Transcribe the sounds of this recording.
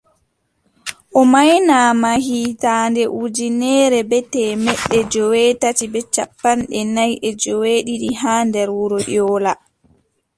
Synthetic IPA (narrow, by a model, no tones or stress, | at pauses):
ʔɔmajnaːmahiːtandɛʔud͡ʒinɛɾɛbɛtɛːmɛɗːɛd͡ʒɔwɛːtatibɛt͡ʃa̰pːanɗɛnajʔɛd͡ʒɔweɗiɗiɦaːndɛɾwuɾɔʔɔːla